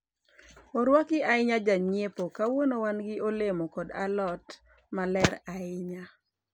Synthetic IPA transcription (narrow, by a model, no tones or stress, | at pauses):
oɾwakɪaɪɲad͡ʒaɲepokawonowanɡɪʔolemokɔda̰lɔt | malɛɾaɪɲa